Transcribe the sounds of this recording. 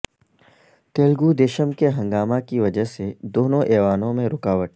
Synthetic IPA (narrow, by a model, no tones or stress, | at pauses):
t̪eːlɡud̪eːʃəmkeɦɐ̃ŋɡaːmakiʋɐd͡ʒəɦsed̪oːnõʔeːʋaːnõmẽɾʊkaːʋəʈ̚